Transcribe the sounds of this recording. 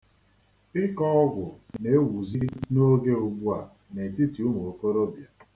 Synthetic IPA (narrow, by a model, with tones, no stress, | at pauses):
ɪ˦kɔ˦ɔ˦ɡʷʊ˨ne˦wu˨zi˦no˦ɡe˦u˨ɡ͡bu˦a˨ | ne˨ti˦ti˨u˦m˨o˨ko˦ɾo˦bja˨